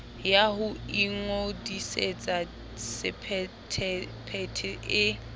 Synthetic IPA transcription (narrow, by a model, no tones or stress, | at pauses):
jaɦʊiŋodiset͡sʼa | sɪpʰɛ | tʰɛpʰɛtʰɛʔɪ